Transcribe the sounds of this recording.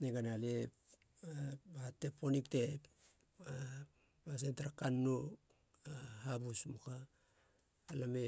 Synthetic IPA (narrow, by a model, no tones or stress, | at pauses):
neɡanalep | aatːe̞pːo̞nikte̞p | a | as̬entaɾakanːo | ahabusmukaː | lame